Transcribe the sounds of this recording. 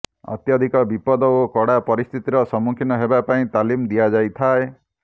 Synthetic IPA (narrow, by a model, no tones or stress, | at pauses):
ɔ̰t̪jɔd̪ʱikɔbipɔd̪ɔokɔɽapɔɾist̪ʰit̪iɾɔsɔmukʰinɔɦebapaĩt̪alimd̪ijad͡ʒajt̪ʰae